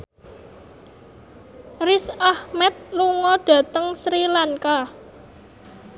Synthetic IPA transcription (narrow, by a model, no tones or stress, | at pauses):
risahmɛt̪̚luŋɔɖ̥ä̤t̪əŋsɾilaŋka